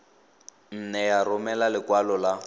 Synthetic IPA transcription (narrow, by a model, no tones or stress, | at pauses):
n̩nɛjarʊmɛlalɪkwalɔla